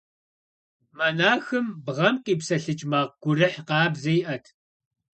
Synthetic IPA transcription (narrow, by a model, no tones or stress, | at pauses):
mɐnaːxɨmbʁɐmqʼiːpsɐɬɨt͡ʃʼmaːʁ̚ɡ̥ʷʊrɨħqɑːbzɐjʔɐtʰ